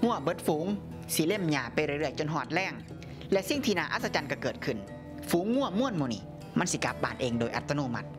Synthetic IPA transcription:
ŋu˧˥˩ɐbɤ˧˦t̪̚fuː˨˦ŋ | si˧˦le˧˥˩mɲaː˧˩pa˧jɾɯ˧˩˨ɾɯ˧˩əjt͡ɕo˧˨nɦɔː˧˩t̪̚lɛː˧˩ŋ | lɛ˧ʔsi˧˩ŋt̪ʰiː˧naː˧˩ʔa̰ː˧t̪̚sa˧t͡ɕa˧˨nka˧˩kɤː˨˩t̪̚kʰɯ˨˩n | fuː˨˦ŋːu˧˥˩ɐmu˧˥˨ənmuː˧˩˨niː˧˩ | ma˧˥˨nsi˧˦ka˧˦p̚baː˧˩nʔeː˧ŋdoː˧˨jʔa˧t̪ʰːa˧noː˧˩˨ma˧˩t̪̚

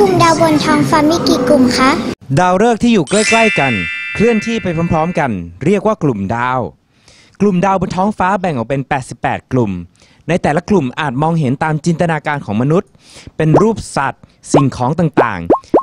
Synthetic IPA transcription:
ku˨˩mdaː˧wbo˧nt̪ʰɔː˦˥ŋfaː˦˥mi˦˥kiː˧˩ku˨˩mkʰa˦˥daː˧wɾɤː˥˩k̪̚ʰiː˥˩juː˨˩kla˥˩jkla˥˩jka˧nkʰɾɯ˥˩ənt̪ʰiː˥˩pa˧jpʰɔː˦˥mpʰɾɔː˦˥mka˧nɾi˥˩ək̚waː˥˩klu˨˩mdaː˧w | klu˨˩mdaː˧wbo˧nt̪ʰɔː˦˥ŋfaː˦˥bɛ˨˩ŋʔɔ˨˩wpe˧npɛː˨˩t̪̚si˨˩pːɛ̰ː˨˩t̪̚klu˨˩m | na˧jt̪ɛː˨˩la˦˥klu˨˩mʔaː˨˩t̪̚mɔː˧ŋɦe˩˦nt̪aː˧mt͡ɕi˧nt̪a˧naː˧kaː˧nkʰɔː˩˦ŋma˧nu˦˥t̪̚ | pe˧nɾuː˥˩p̚sa̰˨˩t̪̚si˨˩ŋkʰɔː˩˦ŋt̪aː˨˩ŋt̪a̰ː˨˩ŋ

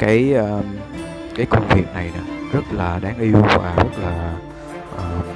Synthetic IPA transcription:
kaː˨˦jʔəː˧ | kaː˨˦jkə˧ŋ͡mvi˨˩ət̚na˨˩jna˨˦zə˦˥t̚laː˨˩ɗaː˨˦ŋʔi˧wva̰ː˨˩zə˦˥t̚laː˨˩ | ʔəː˨˩

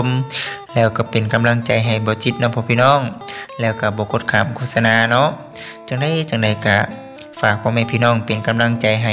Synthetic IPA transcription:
mlɛː˧˩wka˧˩pe˨nka˨˦mla˧˥˨ŋt͡ɕa˨˩jɦa˨˩jbɔː˨˦t͡ɕi˧t̪̚nɔ˧˥pʰɔː˧pʰiː˧˨nɔː˧˥˨ŋlɛː˧˩wka˧˩bɔː˨˦kʰoː˧˥˩t̪̚kʰaː˧˩mkʰoː˧˩sa˧naː˧˩nɔ˧˥ʔ | t͡ɕa˧˩ŋda˧˥˨jt͡ɕa˨˩ŋda˨˩jka˧˩ | faː˧˩k̚pʰɔː˧˨maɛ˧˨pʰiː˧˨nɔː˧˨ŋpe˨nka˨˦mla˧˥˨ŋt͡ɕa˨˩jɦa˨˩

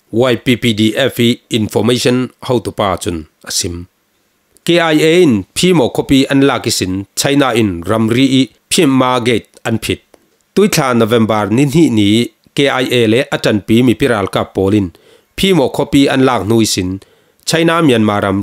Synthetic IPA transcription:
wa˧jpi˨pi˧di˨ʔɛ˦fiː˦˨nfɔ˧me˦jsɔ˥nhɔ˧˨wt̪u˨paː˧t͡su˦nʔə˨si˨˦m | ke˨ʔa˨je˨i˦npʰiː˦mɔ˨kʰɔ˦piː˦ʔɐ˦nlaː˧˨ki˦˨si˨nt͡sʰɐ˦jnaː˧ʔi˧nrɐ˨mriː˦ʔi˦ʔ | pʰi˦mːaː˦ɡe˨t̪̚ʔɐ˦npʰi˨˦t̪̚ː | u˦jt͡ɬʰaː˨nɔ˨vɛ˨mbɐ˨rni˦n̥i˦ʔni˨˦ | ke˨ʔa˧˨jʔe˨lɛ˦ʔɐtɐ˨npiː˦mi˨pi˦ɾaː˨lka˧˨pːɔː˨˦li˧n | pʰiː˦mɔ˨ʔkʰɔ˦pi˦ʔɐ˦nlaː˧k̚n̥u˧˦jsi˨n | t͡sʰɐ˦jnaː˦mi˨ənmaː˨˦ɾɐ˨m

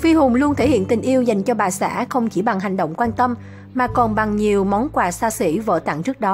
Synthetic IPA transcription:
fi˧ɦʊ˨˩ŋ͡mlu˧ənt̪ʰe˧˩hḭ˧˨ənt̪ï̟˨˩ʔi˧əwza˨˩jŋ̟t͡ɕɔ˧ɓaː˨˩sa̰ː˧˥xə˧wŋ͡mt͡ɕi˧˩ɓa˨˩ŋɦa˨˩jŋ̟ɗə̰˧˨wŋ͡mkwaː˧nt̪ə˧m | maː˨˩kɔ˨˩nɓa˨˩ŋɲi˨˩əwmɔ˨˦nkwaː˨˩saː˧sḭ˧˥və̰ː˧˨t̪a̰˧˨ŋt͡ɕɨ˦˥ək̚ɗɔ˨˦

